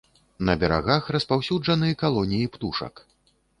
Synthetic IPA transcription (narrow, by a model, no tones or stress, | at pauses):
nɐbʲɛɾa̰ɣaxrɐspawsʲud͡ʐɐnɨjɐkalˠɔnʲijipt̪uʂɐ̰k